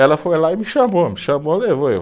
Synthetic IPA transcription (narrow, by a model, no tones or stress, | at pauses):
ɛlɐfojlaimiʃɐ̃momiʃɐ̃molevoḛ